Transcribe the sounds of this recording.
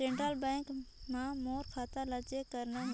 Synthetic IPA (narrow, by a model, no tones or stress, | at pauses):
ẽːɳʈɾəlbɛ̃ːŋkmãmoːɾkʰaːt̪alət͡ʃekəɾna